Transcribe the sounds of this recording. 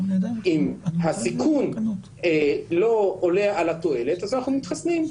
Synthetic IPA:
ʔimɦasikʰun | elo̞oleaʔalat̪oe̞le̞t̪azanaχnunit̪χasnim

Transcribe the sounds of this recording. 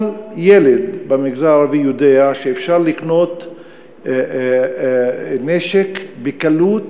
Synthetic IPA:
ljeled̪bamiɡzaaʁavijod̪eaʃeːfʃaʁlikno̞t̪ | neʃekbekalut̪

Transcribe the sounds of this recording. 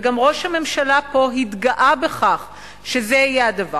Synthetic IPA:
ɡamʁo̞ʃhame̞mʃalapo̞ɦit̪ɡaʔabe̞χaχ | ʃezehajead̪ava

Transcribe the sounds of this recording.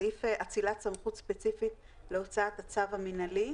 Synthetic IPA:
ifeʔat͡silatsamχutspe̞t͡sifit | leot͡saːt̪at͡savaminali

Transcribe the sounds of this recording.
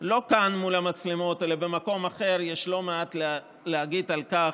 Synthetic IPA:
lo̞kanmulamat͡slemotelabe̞mako̞maχe̞ʁjeʃlo̞meat̪l | lehaɡid̪alkaχ

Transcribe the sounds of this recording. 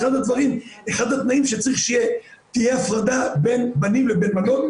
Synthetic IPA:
χad̪ad̪vaʁimeχad̪hat̪naimʃet͡saʁiχʃije | t̪ijeafʁad̪abe̞nbanimvebenbanot̪

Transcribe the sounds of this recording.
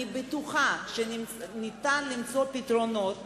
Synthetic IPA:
ibet̪uχaʃenimnit̪anlimt͡so̞pit̪ʁo̞not̪

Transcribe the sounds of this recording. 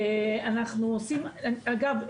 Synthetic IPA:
anaχnuosimaɡav

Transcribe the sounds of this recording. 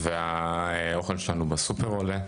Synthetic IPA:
veaeo̞χelʃelanubasupeʁole

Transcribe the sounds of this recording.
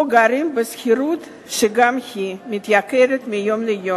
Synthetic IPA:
oɡaɾimbɨsxʲiɾut̪ | ʃeɡamhimit̪jakeɾet̪mijomlejo

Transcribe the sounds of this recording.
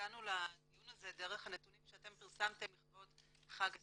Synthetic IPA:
anuladijunaze̞de̞ʁe̞χhane̞t̪unimʃeate̞mpiʁsamte̞mliχto̞d | χaɡ

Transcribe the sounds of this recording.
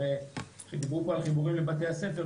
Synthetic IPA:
e | χd̪ibupoalχibuʁimlebat̪e̞jase̞feʁ

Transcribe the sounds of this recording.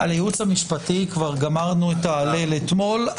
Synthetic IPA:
aljut͡shamiʃpatikvaʁɡamaʁnuet̪aːlelet̪mo̞l

